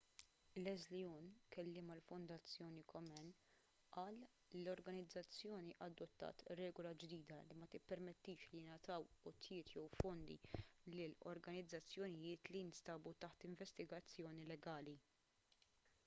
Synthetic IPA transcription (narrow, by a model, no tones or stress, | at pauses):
lɛzliɔnkɛlːɪːmɐlfʊnd̪ɐt͡sːjɔːnikʰɔmɛn | ʔɐːl | lɔɾɡɐnɪd͡zːɐt͡sːjɔːniʔɐd̪ːɔt̪ːɐ̰ːt̪ɾɛːɡɔlɐd͡ʒd̪iːd̪ɐlimɐt̪ɪpːɛɾmɛt̪ːiːʃlijɪnɐt̪ɐwɔt̪jɪːt̪jɛwfɔnd̪ḭlɪlɔ̰ɾɡɐnɪd͡zːɐt͡sːjɔnɪjɪːt̪liɪnst̪ɐːbut̪ɐħt̪ɪɱvɛst̪ɪɡɐt͡sːjɔːnilɛɡɐːli